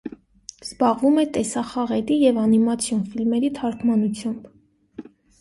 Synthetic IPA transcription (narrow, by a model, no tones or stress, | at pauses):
z̥bɑʁvumɛt̪ɛsɑχɑʁɛt̪ijɛvɑnimɑt͡sʰjɔnfilmɛɾit̪ʰɑɾkʰmɑnut͡sʰjɑmb̥